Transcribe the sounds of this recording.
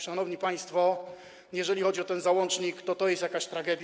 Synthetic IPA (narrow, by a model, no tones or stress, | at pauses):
ʂanɔvɲipaj̃st̪fɔ | jɛʐɛlʲixɔd͡ʑiɔt̪ɛnzawɔnt͡ʂɲikt̪ɔt̪ɔjɛst̪jakaɕt̪ɾaɡɛd̪ʲ